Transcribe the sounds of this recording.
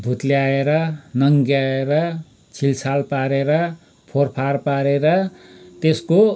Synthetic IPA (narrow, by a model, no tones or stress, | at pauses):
bʱut̪leaeɾʌnʌŋɡjaeɾʌ | t͡sʰilsalpaɾeɾʌ | pʰorpʰarpaɾeɾʌt̪esko